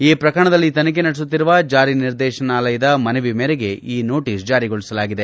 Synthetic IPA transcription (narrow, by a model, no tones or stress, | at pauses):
iːpɾɐkɐɳɐd̪ɐlːit̪ɐnɐk̬enɐɽis̬ut̪ːiɾuʋɐd͡ʒaːɾiniɾd̪ɛːʃɐnaːlɐjɐd̪ɐmɐnɐʋimeɛːɾeɡe̞ʔiːno̞ːʈiːsd͡ʒaːɾiɡoɭːisɐlaːɡid̪e̞